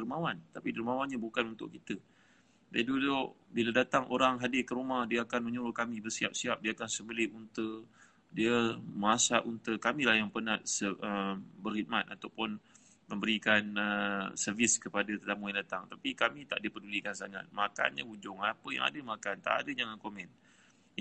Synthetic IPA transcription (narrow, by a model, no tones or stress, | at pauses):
dəɾmawant̪apidərmawanɲabukanunt̪ʊ̰ʔkit̪ə | daidulʊʔbiladat̪aŋʔoɾaŋɦadɪkəɾumahdiəakanməɲuɾʊkamĩbərsia̰p̚siap̚diaakansəmbəlɪunt̪ə | diəmasaʔunt̪əkamĩlahjaŋpərnahsəʔəmbərhid̪̚mat̪̚at̪awpʊn | mə̃mbəɾikanəsərviskəpadat̪ət̪amujaŋdat̪aŋt̪apikamĩt̪a̰ʔdiəpədulikansaŋa̰t̪̚maka̰nɲa̰ud͡ʒʊŋapəja̰ŋa̰dəmakant̪a̰ʔa̰dəd͡ʒaŋankomɛ̃n